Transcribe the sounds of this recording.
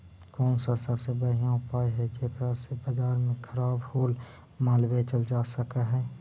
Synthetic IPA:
kɔːnsasəbsebəɽ̤ijãʊpaːiɦɛd͡ʒeːkɾasebɐd͡ʒaːɾmẽkʰəɾaːbhoːl | maːlbet͡ʃəld͡ʒaːsəkaɦɛː

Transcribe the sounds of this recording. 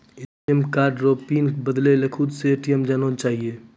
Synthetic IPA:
eːʈiəmkaːɾɖɾoːpiːnbəd̪lelekʰut̪seeːʈijəmd͡ʒaːnot͡ʃaːɦieː

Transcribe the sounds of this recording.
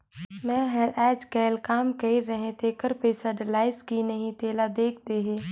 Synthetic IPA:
mɛ̃ːɦɛɾʔɛːd͡ʒkɛːlkaːmkɐiɾəɦẽt̪ʰekəɾpeːsəɖəlaːɪskinɐɦĩt̪eːlad̪eːkʰt̪eɦeː

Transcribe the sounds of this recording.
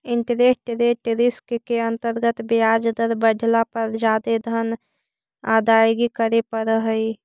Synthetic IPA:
ɪnt̪ɾet̪ɾet̪ɾɪskkeənt̪əɾɡət̪bijad͡ʒd̪əɾbədʱlapəɾd͡ʒaːd̪ed̪ʱən | ad̪aːjɡikəɾepəɾəɦəi

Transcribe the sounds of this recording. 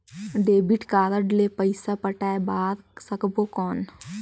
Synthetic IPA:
ɖeːbiʈkaːɾəɾɖlepəɪsapəʈaːebaːɾsəkbokɔːn

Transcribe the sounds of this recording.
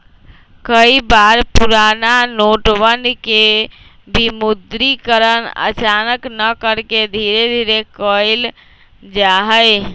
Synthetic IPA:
kəibaɾpuɾananoʈwənke | bimud̪ɾikəɾənə̰t͡ʃanəknəkəɾked̪ʱiɾed̪ʱiɾekəjl | d͡ʒaɦəj

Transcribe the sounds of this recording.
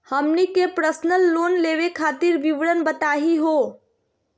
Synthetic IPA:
həmnikepɾəsnəlːoːnleʋekʰaːt̪iɾbiʋɽənbət̪aɦiɦo

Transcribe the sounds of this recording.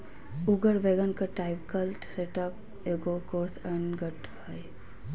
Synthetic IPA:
uɡəɾʋeɡənkaʈaɪʋkəlʈseʈəp̚ | eɡokoːɾsəɳɡəʈ | həj

